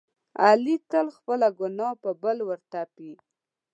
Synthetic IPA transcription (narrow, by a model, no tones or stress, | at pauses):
alik̪əlxpəlaɡʊnɑpəbəlwəɾt̪api